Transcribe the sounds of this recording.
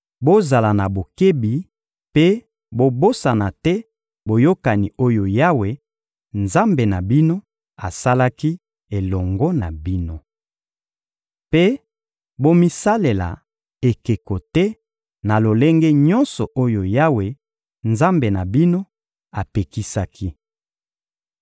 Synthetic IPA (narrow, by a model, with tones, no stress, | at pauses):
bo˦za˨la˨na˨bo˨ke˦bi˨ | pe˦ | bo˦bo˦sa˨na˨tɛ˦ | bo˨jo˦ka˨ni˨o˦jo˨ja˦we˨ | nza˦mbe˨na˨bi˦no˦ | a˨sa˦la˦ki˦ | e˨lɔ˨ŋɡɔ˦na̰˨bi˦no˦ | pe˦ | bo˦mi˦sa˦le˨la̰˨ | e˨ke˨ko˨tɛ˦ | na˨lo˨le˦ŋɡe˦ɲɔ˦nsɔ˨ʔo˦jo˨ja˦we˨ | nza˦mbe˨na˨bi˦no˦ | a˨pe˨ki˦sa˦kʰi˦